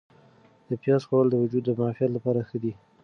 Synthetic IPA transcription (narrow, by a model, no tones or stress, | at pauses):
d̪̥əpjɑzxwawəld̪əwʊd͡ʒud̪ːəmʊɑfijat̪lapɑɾaxəd̪i